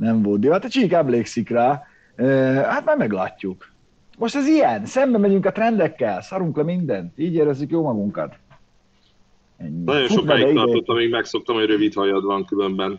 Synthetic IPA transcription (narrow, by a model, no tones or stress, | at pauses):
nɛɱvold̪d̪iʋat̪ɛt͡ʃiːkɛbleːksikraː | øːhat̪maːrmɛɡla̰ːcːuk | mo̞ʃt̪ɛzijɛnsɛmbɛmɛɟyŋkɒt̪rɛnd̪ɛkːɛlsɒɾuŋklɛmind̪ɛnt̪iːɟeːɾɛzːykjoːmɒɡuŋkɒ̰t̪ | ɛɲːinɒjonʃuomkajiɛit̪ɒrot̪ːɒmiɡmɛkso̞k̚t̪ɒmhoɟɾøvit̪hɒjɒd̪ʋɒŋkylømbɛn